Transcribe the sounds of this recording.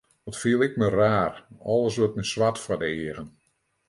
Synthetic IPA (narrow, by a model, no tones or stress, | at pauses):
dɔtfiəlˠɪkməraːrɔlˠəsʋətməsʋatfɔdəeəɣən